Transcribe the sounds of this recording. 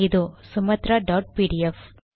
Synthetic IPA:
ɪd̪usʊmɐt̪ɾaɖaːʈ̚piːɖiɛf

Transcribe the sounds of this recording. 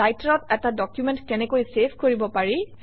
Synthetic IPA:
ajtɹɔtɛtadɔkjumɛntkɛnɛkojsepʰkoɹibɔpaɹi

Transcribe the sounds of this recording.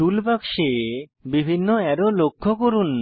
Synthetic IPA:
ulbakʃebibʱinːoɛɾolokʰːokoɾun

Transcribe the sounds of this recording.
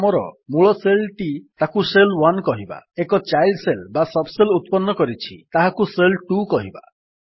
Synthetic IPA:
mɔɾɔ̰muɭɔselʈit̪akuselwankɔɦiba̰ekɔt͡ʃajlɖselbasɔbselut̪̚pɔnːɔkɔɾit͡ʃʰit̪aɦakuselʈukɔɦiba̰

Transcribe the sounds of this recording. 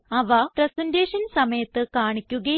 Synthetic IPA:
ɐʋɐprɐsɐndeːʂɐnsɐmɐjɐt̪ːɨkaːɳikʲːuɣɐ

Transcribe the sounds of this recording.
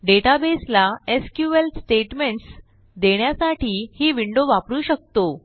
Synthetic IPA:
ɖeʈabeslaeskjuʋeltsʈeʈmeɳʈs | d̪eɳjasaʈiːhiːʋiɳɖoʋapɾuːɕək̚t̪o

